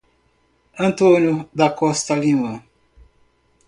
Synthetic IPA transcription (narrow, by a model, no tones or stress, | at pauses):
ɐ̃nt̪onjod̪akɔst̪alĩmɐ̃